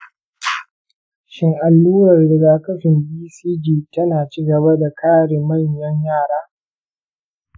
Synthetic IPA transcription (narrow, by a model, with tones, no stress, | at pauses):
ʃɪ˦ŋʔa˨lːuː˦ɾɐ˨rdɐ˨ɡa˨kɐ˦ɸɪ˨mbiː˦siː˦d͡ʒiː˦tɐ˦naː˨t͡ʃiː˦ɡɐ˨ba˦da˨kʰaː˦ɽe˨mɐ˦˨ɲjɐ˦ɲjaː˦˨ɽaː˦